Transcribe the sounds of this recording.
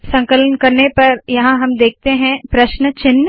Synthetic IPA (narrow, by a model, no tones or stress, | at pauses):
sɐ̃ŋkələnkɐɾnepɐɾjɐɦãɦɐmd̪eːk̚ʰt̪eɦɛ̃pɾɐʃnət͡ʃɪnː